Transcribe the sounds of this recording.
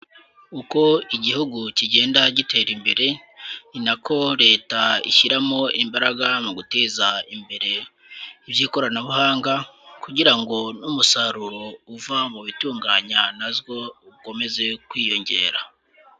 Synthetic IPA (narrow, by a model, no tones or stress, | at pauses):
uko̞iɟihuɡuciɟe̞ːndaɟite̞ːɾimbe̞ɾe̞ | inakʰo̞ɾe̞ːtaḭʃiɾamo̞imbaɾaɡamuɡute̞ːzaimbe̞ɾe̞ | iβjiːko̞ɾanaβuhaːŋɡakuɟiɾaŋɡo̞numusaɾuɾo̞uvamuβituːŋɡaːɲanazɡo̞uko̞me̞ze̞kwiːjo̞ɲɟe̞̰ːɾa